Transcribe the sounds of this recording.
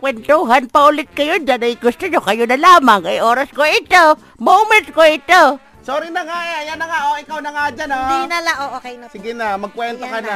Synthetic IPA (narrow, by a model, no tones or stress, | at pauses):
kwɛnt̪uɦanpaʊlɪt̪̚kajʊd̪anaɡɪkʊst̪ʊɲokajʊnalaːmaŋkajoːɾaskoɪt̪o | momɛt̪koɪt̪o | soɾinaŋaʔeajanaŋaʔoɪkawnaŋad͡ʒananalaʔoʔokejnsɪɡɪnamaɡ̚kwɛnt̪akana